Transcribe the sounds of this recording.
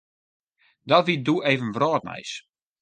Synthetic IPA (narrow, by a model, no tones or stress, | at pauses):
dɔtʋidueːvənʋrɔːtnɛ̰js